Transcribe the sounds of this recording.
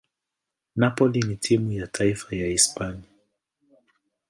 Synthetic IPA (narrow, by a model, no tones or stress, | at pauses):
napɔlinitʰimujatʰaifajaispania